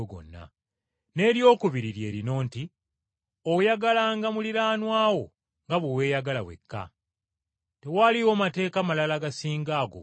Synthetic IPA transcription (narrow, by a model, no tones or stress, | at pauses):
ɡo̰nːa̰ | ne̞ːɾjo̞ːkuβiɾiɾje̞ːɾino̞ːnti | ojaɡalaːŋɡamuliɾaːnwaːwo̞ | ŋɡaβowe̞ːjaɡalawe̞̰kːa̰ | te̞waliwomate̞ːkamalalaɡasiːŋɡaːɡo̞̰